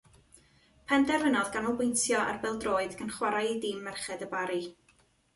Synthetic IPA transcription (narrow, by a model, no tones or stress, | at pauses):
pʰɛndɛrvənɔðɡanɔlˠbɪjntjɔʔa̰rbɪlˠdroːɨðɡʰənχwaɾajdɪmːɛrχɛðəbaɾi